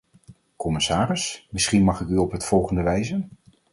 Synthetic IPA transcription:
kɔmɪsaːrɪsmɪsχinmɑχɪkyɔpɦətfɔlˠχəndəʋɛjzən

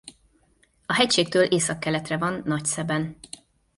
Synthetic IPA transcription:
ɒɦɛcʃeːk̚t̪øːlʔeːsɒkːɛlɛt̪rɛvɒnːɒcsɛbɛn

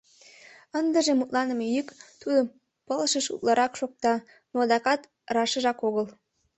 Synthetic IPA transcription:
ənd̪ə̆ʒemut̪lɑnə̆mejykt̪ud̪ə | pəlʃəʃṵt̪lɑɾʔɑkʃok̚t̪ɑ | nod̪ɑkɑt̪ | rɑʃə̆ʒɑkoɣəl

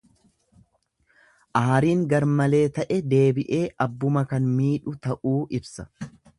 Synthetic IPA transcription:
ʔɐhɐɾiːŋɡɐɾmɐle̞ːt̪ɐʔɛd̪e̞ːbɪʔe̞ːʔɐbːʊmɐkɐnmiːᶑʊt̪ɐʔuːʔɪbsɐ̥

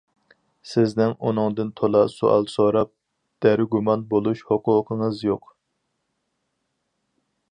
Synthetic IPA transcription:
sɪznɪŋunɨŋd̪ɨnt̪ʰolˠɑso̰ʔɑ̰lˠsoɾɑp̚ | d̪̥æɾɪɡumɑnbolˠuʃhoqʰʊːqʰəŋəzjoq

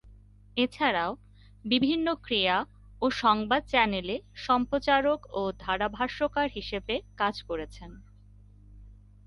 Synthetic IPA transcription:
et͡ɕʰaɾao | bibʱinːokɾia | oʃɔŋbad̪̚t͡ɕɛneleʃɔmpɾot͡ɕaɾokod̪ʱaɽabʱaɾʃokaɾɦiʃebekad͡ʑkoɾet͡ɕʰen

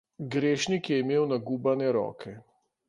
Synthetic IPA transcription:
ɡɾeːʃnikjɛimeːwnaɡuːbanɛɾɔ̰ːkʰɛ

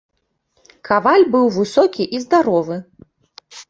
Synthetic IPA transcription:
kʰavalʲbɨwvɨsɔkʲiʔizd̪aɾɔvɨ

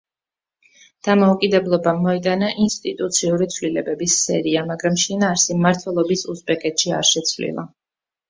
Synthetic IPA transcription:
d̪̥amɔukʼid̪ɛblˠɔbamɔit̪ʼanaʔinst̪ʼit̪ʼut̪sʰiuɾit̪sʰvlilɛbɛbisːɛ̰ɾiamaɡɾamʃinaːɾsimaɾt̪ʰwɛlˠɔbisusbɛkʼɛt̪ʃia̰ɾʃɛt̪sʰvlḭlˠa̰

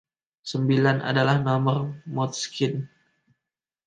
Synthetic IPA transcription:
səmbilanʔa̰dalahnɔmərmɔt̪̚skɪn

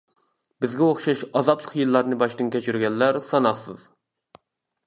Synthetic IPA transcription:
bɪzɡʲɛoχʃɑʃɑzɑblˠəqjɨlˠːɑɾnɨbɑʃt̪ɨnkʲʰɛt͡ʃʰyɾɡʲɛnːæɾsɑnɑχsɨ̰z

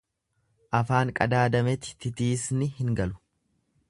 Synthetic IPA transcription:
ʔɐfaːŋkʼɐd̪aːd̪ɐmɛt̪ɪ̥t̪ɪt̪iːsnɪhɪŋɡɐlʊ̥

